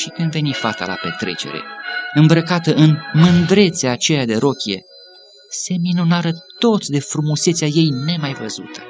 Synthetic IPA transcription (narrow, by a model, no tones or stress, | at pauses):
ʃikɨnd̪ve̞nifat̪a̰la̰pe̞̰t̪ɾe̞̰t͡ʃe̞̰ɾe̞̰ɨmbɾəkat̪əʔɨnmɨnd̪ɾe̞t̪seaːt͡ʃe̞jad̪e̞ɾo̞kʲije̞̰ | se̞minunaɾət̪o̞t̪sʲd̪e̞fɾumuse̞t̪saje̞jne̞majvəzṵt̪ʰə̥